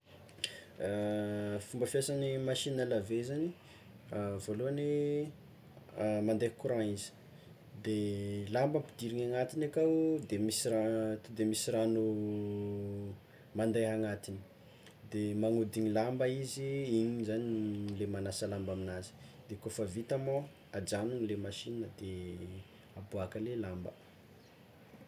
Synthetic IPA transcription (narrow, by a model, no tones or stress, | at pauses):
fumbəfiasanimaʃinəlavezani | avoluane | mand̪ajkuɾãizi̥ | d̪elambəmpid̪iɾiɲaŋat̪inakawd̪emisirat̪ud̪emisiɾanu | mand̪aɦaŋat̪ini̥ | d̪emaŋud̪iɲilambəiziiɲizanilemanasəlambaminazi̥d̪ekofəvit̪amo | ad͡ʒanunilemaʃinəd̪̥e | abuakəlelambə